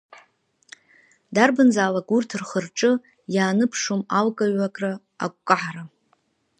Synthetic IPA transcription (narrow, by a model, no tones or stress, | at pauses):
darbɨnzaːlakʼurtʰɨrχərʈ͡ʂʼɨ | jaːnɨpʰʂomalkʼaɥakʼrɨ | a̰kʷʼkʼaʕaɾa